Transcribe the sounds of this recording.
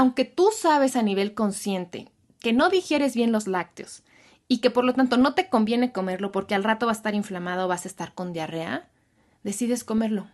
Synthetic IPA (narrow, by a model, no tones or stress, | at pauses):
awŋke̞t̪usaβ̞e̞saniβ̞e̞lko̞nsje̞nt̪e̞̰ | ke̞no̞ðixje̞ɾe̞zβje̞nlo̞zlak̚t̪jo̞s | ike̞po̞ɾlo̞t̪ant̪o̞no̞t̪e̞ko̞mbje̞ne̞ko̞me̞ɾlo̞po̞ɾke̞alrat̪o̞βasest̪aɾiɱflamað̞oβasaest̪aɾko̞nd̪jare̞a̰ | ðe̞siðe̞sko̞me̞ɾlo̞